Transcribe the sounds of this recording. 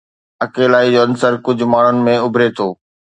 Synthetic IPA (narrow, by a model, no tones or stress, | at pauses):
ɐkeːlaːid͡ʑoːɐnsəɾkʊd͡ʑʱʊ̆maːɳ̤ʊnɪ̆mẽʊbʱɾet̪ʰoː